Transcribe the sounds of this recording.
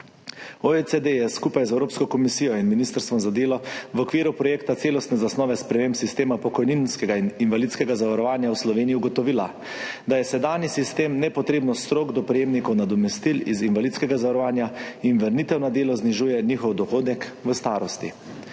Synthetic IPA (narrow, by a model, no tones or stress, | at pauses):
oesed̪ejɛskupajzɛwɾoːpskɔkɔmisiːjɔinminist̪əɾst̪ʋɔmzad̪eːlɔʋɔkʋiːɾupɾɔjeːkt̪at̪seːlɔst̪nɛzasnɔːʋɛspɾɛmeːmpsist̪eːmapɔkɔjninskɛɡaininʋalit̪skɛɡazaʋaɾɔʋaːnjawslɔʋeːnijiuɡɔt̪ɔʋiːla | d̪ajɛsɛd̪aːnjisist̪eːmnɛpɔt̪ɾeːbnɔst̪ɾoːɡd̪ɔpɾɛjeːmnikɔwnad̪ɔmɛst̪ilizinʋalid̪skɛɡazaʋaɾɔʋaːnjainʋəɾnit̪ɛwnad̪eːlɔzniʒuːjɛnixɔwd̪ɔxoːd̪ɛkʋəst̪aːɾɔst̪ḭ